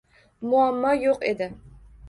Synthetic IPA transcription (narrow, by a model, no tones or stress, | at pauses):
mʊamːɒjoqed̪ɪ